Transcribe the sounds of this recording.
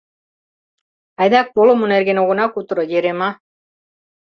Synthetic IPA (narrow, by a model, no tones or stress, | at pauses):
ajd̪ak̚polomuneɾɡenoɣonakut̪ɾojeɾema